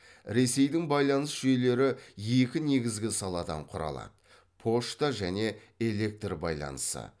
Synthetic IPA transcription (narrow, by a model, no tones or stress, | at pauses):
ɾe̞se̞jd̪ɪŋbɑjlˠɑnəsʒejle̞ɾɪje̞kʲɪne̞ɡʲɪzɡʲɪsɑlˠɑd̪ɑ̰ɴqʰʊɾɑ̰lˠɑ̰d̪ə | pʰo̞ʃt̪aʒæne̞ | e̞le̞k̚t̪rbɑ̰jlˠɑ̰nəsə̰